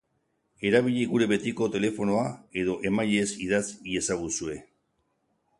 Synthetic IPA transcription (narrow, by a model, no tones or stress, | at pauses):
e̞ɾaβ̞iʎiɣuɾe̞βe̞t̪iko̞t̪e̞le̞fo̞no̞ae̞ðo̞ʔe̞maʎe̞sið̞asie̞saɣusue̞